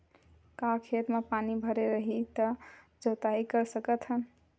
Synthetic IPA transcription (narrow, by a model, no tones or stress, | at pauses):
kãkʰet̪mepanibʱəɾeɾəɦit̪ə | d͡ʒot̪aikəɾsəkət̪ɦən